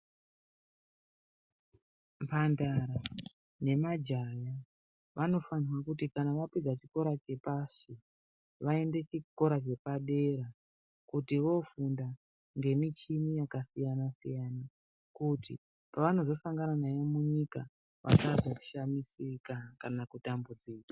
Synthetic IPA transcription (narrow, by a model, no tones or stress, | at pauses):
mpandaɾa | ne̞mad͡ʒaja | ʋʔano̞faniwakutikanaʋapid͡zat͡ʃiko̞ɾat͡ʃe̞paʂi | ʋae̞nde̞t͡ʃiko̞ɾat͡ʃe̞paɗe̞ɾa | kutiʋo̞funda | ŋɡe̞mit͡ʃinijakasijanasḭjana | kutḭ | paʋano̞zo̞saŋɡananajomuɲika | ʋʔa̰kazo̞ʃamisikakanakutambud͡ziːkḁ